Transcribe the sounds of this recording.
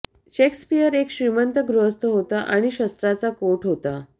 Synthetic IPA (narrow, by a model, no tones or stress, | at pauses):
ɕekspijəɾekɕɾimənt̪əɡɾuɦəst̪ʰəɦot̪aʔaɽ̃iɕəst̪ɾat͡sakoʈɦot̪a